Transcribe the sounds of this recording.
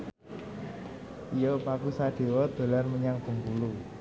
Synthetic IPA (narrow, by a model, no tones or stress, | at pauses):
ʔijopakusaɖ̪̥e̤wɔd̪̥o̤larməɲaŋpəŋpulu